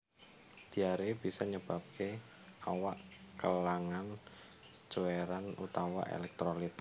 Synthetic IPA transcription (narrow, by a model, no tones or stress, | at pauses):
d̪̥i̤aɾeb̥isɔɲəb̥a̤p̚kʰe | awaʔkəlaŋan | t͡ʃueɾanṵt̪awa̰ʔḛlɛk̚t̪ɾolɪt̪̚